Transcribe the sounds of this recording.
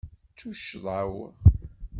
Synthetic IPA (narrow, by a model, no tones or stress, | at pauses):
t͡sːuʃəðˤʕawə̰ʁ